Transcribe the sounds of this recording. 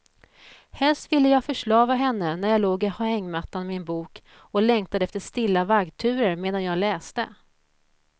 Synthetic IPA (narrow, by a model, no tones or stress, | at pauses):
hɛlst̪vɪlːəjɑːfœʂɭɑːvaɦɛnːənæɾjɑːloːɡɪhaɛŋːmat̪ːanmɪnbuːk | ɔlɛŋt̪ad̪əɛft̪əʂt̪ɪlːavaɡt̪ʰʉ̟ːɾəɾmeːd̪anjɑːɡlɛːst̪ə̰